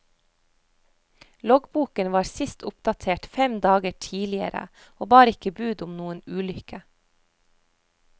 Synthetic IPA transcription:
lɔɡbuːkənʋɑːɾsɪst̪ʰʊpd̪ɑt̪ʰeːʈfɛmd̪ɑːɡəʈʰiːlɪə̰ɾə̰ | oːbɑːɾəɪkəbʉːd̪ʊmnuːənʉːlʏkə

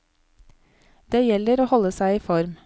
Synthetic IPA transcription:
d̪̥eːjɛləɾoːhɔləsæɪiːfɔɾm

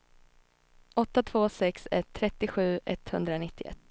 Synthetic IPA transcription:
ʔɔt̪ːat̪ʰv̥oːsɛksɛ̰t̪ʰːɾɛt̪ːɪɧʉ̟ːʔɛt̪hɵnd̪ɾanɪt̪ːɪʔɛ̰t̪ː

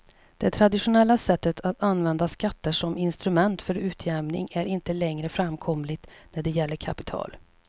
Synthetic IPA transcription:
d̪̥ɛt̪ʰɾad̪ɪɧʊnɛlːasɛt̪ːət̪ʰat̪anvɛnd̪askat̪ːəʂɔmɪnst̪ɾɵmɛnt̪fœɾʉ̟ːt̪ʰjɛmnɪ̰ŋæɾɪnt̪əlɛŋɾəfɾamkʰɔmlɪɡt̪næɖɛjɛlːəɾkʰapɪ̥t̪ʰɑ̰ːl

